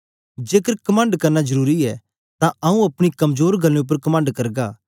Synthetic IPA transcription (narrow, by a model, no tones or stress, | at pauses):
d͡ʒeːkəɾkɐmə̃ːɳɖkɐɾnazɐɾuːɾiɛ | t̪ãɐũɐpɽ̃ikɐmzoːɾɡʱɐlẽʊp̬ːəɾkɐmə̃ːɳɖkɐɾɡaː